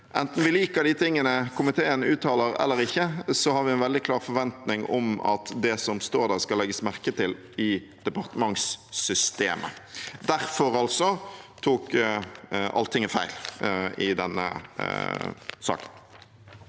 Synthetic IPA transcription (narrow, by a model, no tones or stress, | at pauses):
ʔɛnt̪n̩ʋɪliːkəɾɖ̪ɪt̪ʰɪŋːənəkʰʊmɪt̪ʰeːənʉːt̪ʰːɑːləɾɛ̰lːəɾɪçːəsɔhɑɾʋɪɛnʋɛld̪ɪkʰlɑːʁfɔɾʋɛnt̪nɪŋɔ̰mɑ̰t̪d̪ɛsɔmst̪oːɾd̪æʁskɑlːɛɡəsmæʁkət̪ɪl | ɪ | d̪̥ɛpɑʁt̪əmɑŋssʏst̪eːmʔə̰d̪æʁfɔɾɑlsɔt̪ʰuːk | ʔɑ̰lt̪ʰɪŋːəfæɪlɪd̪ɛnːə̰ | sɑ̰ːkə̥n